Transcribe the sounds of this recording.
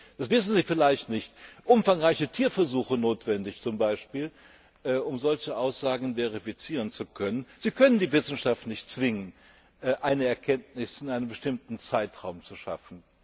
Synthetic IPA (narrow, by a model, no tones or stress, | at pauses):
d̥asv̥ɪsn̩ziːfɪlaɪçtnɪçtʔʊmfaŋʁaɪçətʰiːɐfɛɐzuːxənoːtv̥ɛndɪçt͡sʊmbaɪʃpiːl | ʔɛːʔʊmzɔlçəʔaʊsz̥aːɡŋ̩veʁifit͡siːʁ̞ənt͡sukʰœnənz̥iːkʰœnəndiːvɪsn̩ʃaftnɪçtt͡sv̥ɪŋən | ʔːʔaɪnəɛɐkʰɛntnɪsɪnʔaɪnəmbəʃtɪmtn̩t͡saɪtʁ̥aʊmt͡suʃa̰fn̩